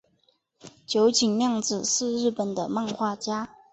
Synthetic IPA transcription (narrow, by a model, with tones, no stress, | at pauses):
t͡ɕjo˧˦ʊt͡ɕi˨˩ŋljɑ˥˩ŋd͡zɹ̩˨˩ʂɻ̩˥˧ɻɻ̩˥˩pə˨˩nd̪ə˦ma˥˧nxwa˥˧t͡ɕja˥